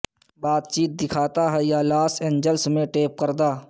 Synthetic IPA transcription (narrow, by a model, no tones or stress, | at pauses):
baːt̪̚t͡ʃiːt̪̚d̪ɪkʰaːt̪aɦɛjalaːsẽːɲd͡ʒəlsmẽʈeːp̚kəɾd̪aː